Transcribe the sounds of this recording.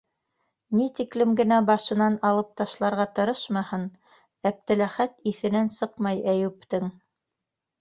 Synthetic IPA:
nit̪iklɘ̆mɡɘ̆næbɑʃɤ̆nɑnɑlˠɤp̚t̪ɑʃlˠɑɾʁɑt̪ɤ̆ɾɤʃmɑhɤn | æp̚t̪ɘ̆læχæt̪iθɘ̆nænsɤqmɑjæjʉp̚t̪ɘŋ

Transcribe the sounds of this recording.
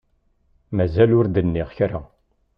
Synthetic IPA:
mæzælʊɾd̪ənːiʁçɾa

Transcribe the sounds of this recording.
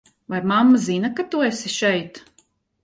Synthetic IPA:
vajmamːazinɐkat̪uesiʃɛjt̪

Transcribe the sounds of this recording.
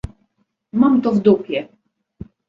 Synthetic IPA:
mamt̪ɔvd̪upʲjɛ

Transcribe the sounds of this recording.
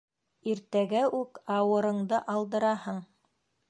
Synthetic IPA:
iɾt̪æɡæʔʉkɑwɤ̆ɾɤ̆ɴd̪ɤʔɑlˠd̪ɤ̆ɾɑhɤɴ

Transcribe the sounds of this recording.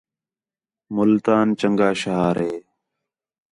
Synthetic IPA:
mʊlt̪aːnt͡ʃəŋɡaːʃəɦaːɾɦeː

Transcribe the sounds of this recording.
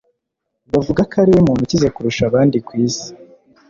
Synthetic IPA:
bavuɡakaɾejimuːnhucizekuɾuʃaβaːndikwiːsi̥

